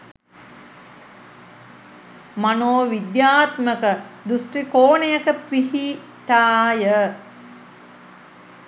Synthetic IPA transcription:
manoːʋid̪jaːt̪məkəd̪usʈrikoːnejəkəpihi | ʈaːjə

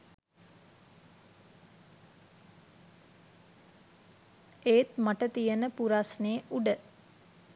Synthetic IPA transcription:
eːt̪maʈət̪ijənəpuɾasneːʔuɖə

